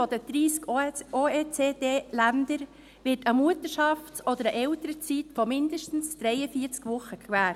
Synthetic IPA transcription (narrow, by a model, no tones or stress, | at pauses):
ɔd̥əd̥̪ɾiːskoeːt͡seːdeːlændəɾ | ʋɪtəmuətəʃɑft͡sɔd̪əɾəʔɛltəɾət͡sitfɔmɪndəʃtn̩sd̥ɾɛɪəfiəɾt͡skʋʊχəkʰʋæːɾt